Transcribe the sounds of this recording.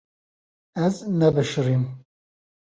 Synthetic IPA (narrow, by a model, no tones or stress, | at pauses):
ɛznɛbɨʃɨrim